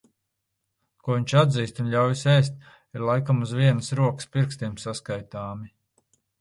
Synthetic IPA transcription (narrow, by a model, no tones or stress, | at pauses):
kuɔviɲʲt͡ʃad̪ziːst̪unʎʲawjisɛjst̪̚ | iɾlˠajkamuzviɛnəsɾuɔkə̥spiɾkst̪iɛmsaskajt̪aːmi